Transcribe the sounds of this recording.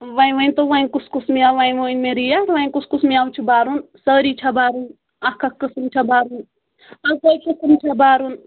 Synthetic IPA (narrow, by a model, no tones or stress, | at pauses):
ʋaj̃ʋɐnʲt̪oʋaĩkuskusmiaːʋaĩʋoːnmẽɾijaɾʋãĩkuskusmiawt͡ʃʰibaːɾunsəːɾit͡ʃʰɐbaːɾun | ɐkʰɐkːɨsmt͡ʃʰɐbaːɾun | ɐkojkɨsɨmt͡ʃʰɐbaːɾun